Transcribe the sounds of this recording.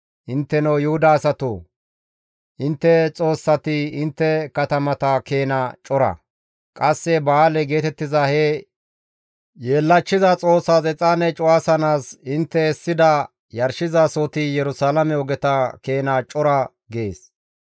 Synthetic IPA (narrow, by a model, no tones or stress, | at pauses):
ʔɪnt̪ːɛnɐwjʊhʊd̪ɐːsɐt̪oː | ʔɪnt̪ːɛt͡sʼo̞ːsːɐt̪ɪɪnt̪ːɛkɐt̪ɐmɐt̪ɐke̞ːnɐt͡ʃʼɔɾɐ̰ | kʼɐsːɛbaːlɛɡe̞ːt̪ɛt̪ːɪzɐhɛ | jeːlːɐt͡ʃːɪzɐt͡sʼo̞ːsːat͡sʼɛt͡sʼaːnɛt͡ʃʼʊwaːsɐnaːsɪnt̪ːɛɛsːɪd̪ɐ | jɐɾʃɪzasot̪ɪjɛɾʊsaːlɐmɛɔɡɛt̪ɐke̞ːnat͡ʃʼɔɾɐ | ɡe̞ːs